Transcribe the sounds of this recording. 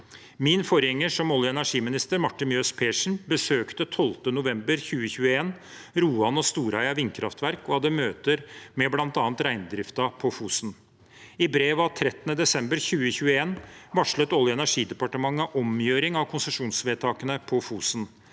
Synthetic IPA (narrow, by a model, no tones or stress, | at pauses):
mɪnfɔɾjɛŋːəʂɔmɔljəɛnæʂiːmɪnɪst̪əɾmɑʈːɪnjøːspʰeːʂɳ̩bəsøːkt̪ət̪ʰɔlt̪ənʊʋɛmbəɾçʉːəçʉːəeːn | ɾuːɑnɔst̪uːɾæɪɑʋɪnkʰɾɑft̪ʋæɾkɔhɑd̪əmøːt̪əɾmɛblɑnt̪ɑːnt̪ɾæɪnd̪ɾɪft̪ɑpʰɔfuːsn | ɪbɾeːʋɑt̪ʰɾɛt̪ːənəd̪ɛsɛmbəɾçʉːəçʉːəeːnʋɑʂlət̪ɔljəɛnæʂiːd̪ɛpɑʈəmɑŋːəʔɔmjøːɾɪŋɑʋkʰʊnsəʂuːnsʋeːt̪ʰɑːkənəpʰɔfuːsn